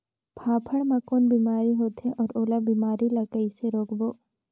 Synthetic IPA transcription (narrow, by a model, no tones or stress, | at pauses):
pʰaːpʰəɽmãkoːnbiːmaːɾiɦoːt̪eʔɔːɾoːlabiːmaːɾilɐkəiseɾoːkboː